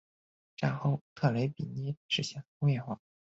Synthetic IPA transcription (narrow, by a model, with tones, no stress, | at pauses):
ʈ͡ʂa˥˩xo˥˧ʊ˥t̪ʰɤ˥˩le˧˥ɪpi˨˩ni˥ʂɻ̩˥˩ɕja˥˩˥o˥jɛ˥˩xwɑ˥˩˦